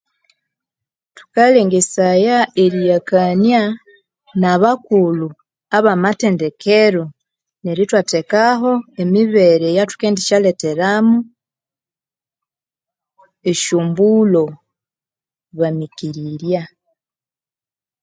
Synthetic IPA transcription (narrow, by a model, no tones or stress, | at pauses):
tu̥kaleːŋɡesajaeɾijakanja | naβakulu | aβamatendekʰeɾo | neɾitwatekaɦo̞emiβeɾejatu̥keːndiʃalete̞ɾamu | eʃuːmbulo | βamikiɾiɾja